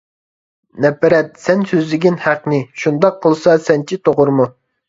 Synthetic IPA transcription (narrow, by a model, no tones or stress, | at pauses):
nɛpɛɾɛt̪̚sɛnsøzlɪɡʲinhæqnɪʃund̪ɑqʰːəlˠsɑsɛnt͡ʃʰit̪ʰoʁʊɾmu